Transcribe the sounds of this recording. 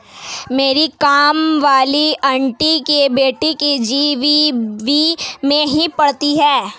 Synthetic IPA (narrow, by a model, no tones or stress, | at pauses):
meːɾikaːmʋaːliʔɐɳʈikebeːʈikid͡ʒiːʋibimẽɦipɐɽt̪iɦɛː